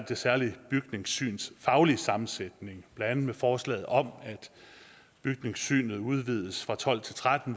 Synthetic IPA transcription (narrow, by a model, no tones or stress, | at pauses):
d̥e̝sæɐlib̥yɡ̥ne̝ŋsy̰ːnsfɑ̈ʊliəsɑ̈mn̩sed̥ne̝ŋb̥lænænð̩ˠmefɒːslɛ̰ːð̩ˠɒ̽mæd̥ | b̥yɡ̥̚ne̝ŋsy̰ːnð̞̩ˠuð̞ˠʋið̞ˠəsfʁɑ̈t͡sʰɒ̽l̰t͡sʰe̝lt͡sʰʁad̥n̩